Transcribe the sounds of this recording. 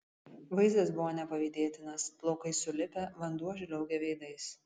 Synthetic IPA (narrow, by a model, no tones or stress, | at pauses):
ʋɐɪzʲd̪ʲɐsbʊʋoːnʲɛpɐʋʲiːd̪ʲeːt̪ʲɪnɐsplˠoːkɐɪsʊlʲɪpʲɛʋɐnd̪uɔʒʲɪlʲɛʊɡʲɛʋʲɛɪd̪ɐɪs